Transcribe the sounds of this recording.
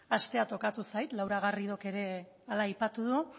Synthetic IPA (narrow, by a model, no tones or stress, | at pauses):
ast̪e̞at̪o̞kat̪usajt̪lawɾaɣ̞ariðo̞ke̞ɾe̞ | alaːjpat̪uðu